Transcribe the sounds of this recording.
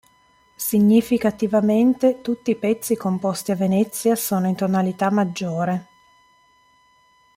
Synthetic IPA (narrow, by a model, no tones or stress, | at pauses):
siɲːifikat̪ivament̪et̪ut̪ːiːpɛt̪sːikompost̪iavːenɛt̪sːjasoːnoint̪onalit̪amːad͡ʒːoːɾe